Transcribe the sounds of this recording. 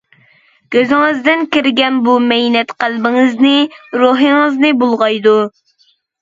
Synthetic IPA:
ɡ̥ʲøzɪŋɨzd̪ɪnkʲiɾɡʲɛnbumɛjnɛt̪qælbɪŋɨznɪɾoɦɨŋɨznɨbolˠʁɑjd̪u

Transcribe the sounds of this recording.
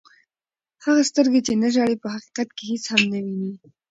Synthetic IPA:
haɣast̪əɾɡet͡ʃenaʒɑɽepəɦaqi̥qat̪̚kehet͡shamnawini

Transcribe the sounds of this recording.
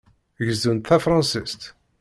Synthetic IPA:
ʝəzunt̪θæfɾˤɑ̃nsist̪

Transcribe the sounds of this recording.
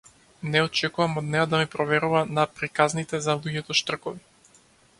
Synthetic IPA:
nɛɔt͡ʃɛkuvamɔd̪nɛjad̪amipɾɔvɛɾuvanapɾikaznit̪ɛzalˠuɟɛt̪ɔʃt̪r̩kɔvi

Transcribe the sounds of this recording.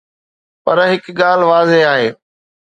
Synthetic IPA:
pɐɾɦɪkɠaːl̤ʋaːzeaːɦeː

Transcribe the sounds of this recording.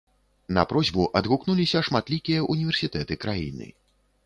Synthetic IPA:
nɐ̰pɾɔzʲbuʔɐd̪ɣuknulʲisʲɐʂmat̪lʲikʲijɐʔunʲivʲɛrsʲit̪ɛt̪ɨkɾajḭnɨ̰

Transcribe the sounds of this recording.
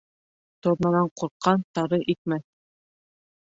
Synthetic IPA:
t̪ŏɾnɑnɑɴquɾqːɑnt̪ɑɾɤʔit̪̚mæθ

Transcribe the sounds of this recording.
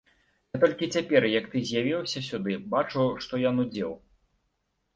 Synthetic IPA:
nɛt̪ɔlʲkʲit͡sʲapʲɛrjɐkt̪ɨzʲjavʲiwsʲɐsʲud̪ɨbat͡ʂuwʂt̪ɔjanud͡zʲɛw

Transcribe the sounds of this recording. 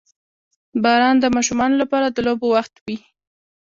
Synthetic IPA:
bɑɾɑnd̪əmɑʃumɑnolapɑɾad̪əlobowaxt̪wi

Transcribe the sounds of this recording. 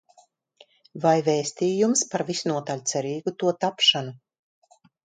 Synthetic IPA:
vajvɛːsʲt̪iːjumspaɾvisnuɔt̪alʲt̪sɛɾiːɡut̪uɔt̪apʃanu

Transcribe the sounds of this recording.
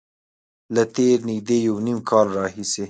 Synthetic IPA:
lat̪eɾnɪɡ̚d̪ejawnimkʰɑlɾɑɦise

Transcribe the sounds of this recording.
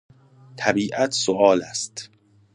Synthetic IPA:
t̪ʰæbiːʔæt̪ʰsoʔɒːlæ̰st̪

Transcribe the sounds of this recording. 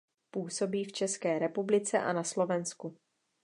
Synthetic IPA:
puːso̞biːft͡ʃɛskɛːɾɛpublɪt͡sɛ̰ʔa̰naslo̞vɛnsku

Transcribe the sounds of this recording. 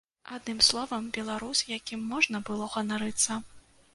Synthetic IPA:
ad̪nɨmslˠɔvɐmbʲɛlˠaɾusʲjakʲimːɔʐnɐbɨlˠɔɣɐnaɾɨt̪sːɐ

